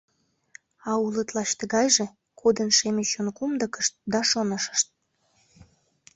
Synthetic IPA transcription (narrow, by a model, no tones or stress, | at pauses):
ɑulət̪lɑʃt̪əɣɑjʒe̽ | kʰod̪ənʃemeɕonkumd̪əkə̥ʃt̪̚d̪ɑʃonəʃə̥ʃt̪̚